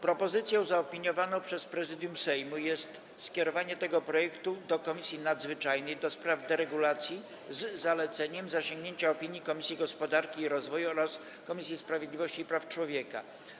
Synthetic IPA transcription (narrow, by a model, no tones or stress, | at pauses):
pɾɔpɔzɘt̪sʲjɔ̃w̃zaɔpʲiɲɔvanɔ̃w̃pʂɛspɾɛzɘd̪jumsɛjmujɛst̪ | skʲɛɾɔvaɲɛt̪ɛɡɔpɾɔjɛkt̪ud̪ɔkɔmʲisʲjinad̪zvɘt͡ʂajnɘjd̪ɔspɾavd̪ɛɾɛɡulat̪sʲji | zːalɛt̪sɛɲɛmzaɕẽŋɡɲeɲt͡ɕaɔpʲiɲjikɔmʲisʲjiɡɔspɔd̪aɾkʲiːɾɔzvɔjuɔɾas | kɔmʲisʲjispɾavʲjed̪lʲivɔɕt͡ɕiːpɾaft͡ʂwɔvʲjɛka̰